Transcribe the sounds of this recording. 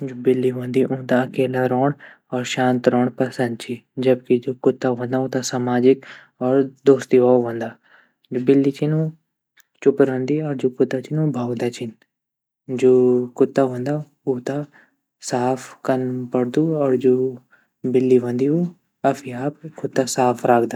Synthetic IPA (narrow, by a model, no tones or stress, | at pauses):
d͡ʒoːbɪlːiːʋə̃ːnd̪iːʔõːt̪aːəkeːlaːɾɔːɳ | ɔːɾʃãːnt̪ɾɔːɳpəsə̃nd̪t͡ʃiːd͡ʒəb̚kɪd͡ʒoːkʊt̪ːaːɦõːnd̪aːõːt̪ãsamaːd͡ʒɪk | ɔːɾd̪oːst̪iːʋɔːʋə̃nd̪aː | d͡ʒoːbɪlːiːt͡ʃɪnoː | t͡ʃʊpɾə̃nd̪iːɔːɾd͡ʒoːkʊt̪ːaːt͡ʃɪnoːbʱaːwd̪aːt͡ʃɪn | d͡ʒoːkʊt̪ːaːɦə̃nd̪aː | oːt̪ãː | saːpʰkənpəɽd̪uːɔːɾd͡ʒoː | bɪlːiːʋə̃nd̪iːoː | əpʰiaːpkʊt̪ːaːsaːpʰɾaːkʰd̪aː